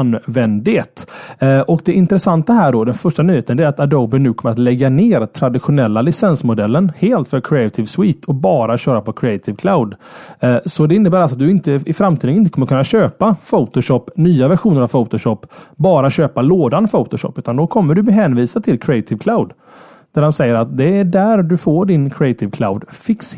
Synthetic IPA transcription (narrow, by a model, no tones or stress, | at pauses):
anːvɛnd̪ɪt̪ʔɔkd̪ɛʔɪnt̪ɾɛsant̪aɦæːɖɔd̪ɛnfœʂʈanyːheːt̪ənd̪ɛæɾat̪ad̪oʊbɪnʉ̟ːkʰɔməɾat̪lɛɡːaneːɾt̪ʰɾad̪ɪɧʊnɛlːalɪsɛnsmʊd̪ɛlːənheːlt̪fœɾkʰɾɪat̪ʰɪvswiːt̪ʰɔbɑːɾaɕøːɾapʰɔkʰɾɪat̪ʰɪvkʰlaʊd̪ | sɔd̪ɛɪnːəbæːɾat̪̚d̪ɵɪnt̪əɪfɾamːt̪ʰiːd̪ənɪnt̪əkʰɔmːəɾkɵnːaɕøːpafot̪ʊɕɔpːnyːavæɾɧuːnəɾavfoʊt̪ʊɕɔpːbɑːɾaɕøːpaloːd̪anfot̪ʊʃɔ̰pːʉ̟ːt̪and̪ɔkʰɔmːəɖɵbɛɦɛnviːsat̪ʰɪlkʰɾɪat̪ʰɪvkʰlaʊd̪ | d̪̥æɾhansɛjːəɾat̪̚d̪ɛæɖæɾd̪ɵfoːɖɪnkʰɾɪɛt̪ʰɪvkʰlaʊd̪fɪks